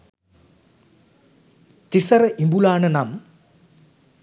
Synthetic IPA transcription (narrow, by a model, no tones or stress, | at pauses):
t̪isɐɾɐʔimbulaːɳɐnɐm